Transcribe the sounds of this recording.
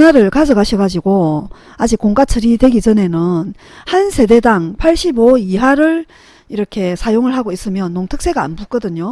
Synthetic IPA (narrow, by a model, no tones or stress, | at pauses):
naɾɯɭkad͡ʑʌɡaɕʰʌɡad͡ʑiɡo | ad͡ʑik͈oŋkat͡ɕʰɯɾidwe̞ɡid͡ʑʌne̞nɯn | hansʰe̞de̞daŋpʰaɭɕ͈iboiɦaɾɯɭ | iɾʌkʰe̞sʰajoŋɯɭɦaɡois͈ɯmjʌnːoŋtʰɯk̚s͈e̞ɡa̰ːnbuk͈ʌdɯɲo